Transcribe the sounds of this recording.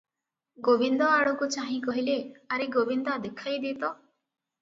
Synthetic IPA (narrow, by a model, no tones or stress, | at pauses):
ɡobind̪ɔaɭukut͡ʃaɦĩkɔɦileaɾeɡobind̪ad̪ekʰajd̪eːt̪ɔ